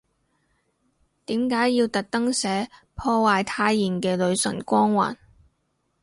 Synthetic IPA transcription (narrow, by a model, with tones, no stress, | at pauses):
t̪iː˨˥mkaː˨˥jːiː˧wt̪ɐ˨k̚t̪ɐ˥ŋsɛː˨˥ | pʰɔː˧waː˨jt̪ʰaː˧jːiː˨˩nkɛː˧lɵ˨˧ɥsɵ̰˨˩nkʷɔː˥ŋwa̰ː˨˩n